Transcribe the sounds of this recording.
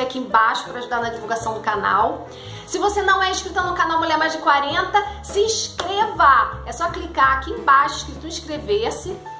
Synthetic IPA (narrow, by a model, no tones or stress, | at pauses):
akiẽbaʃʊ̥pɾɐaʒud̪aɾnɐd͡ʒivuwɡasɐ̃w̃d̪ʊkana̰w | sɪvosenɐ̃w̃ɛiʃkɾit̪ɐnʊ̃kanawmulʲɛmajzd͡ʒɪkwaɾẽnt̪ɐsɪĩʃkɾevaɛsɔklikaakiẽbaʃʊiʃkɾit̪ʊĩʃkɾevesɪ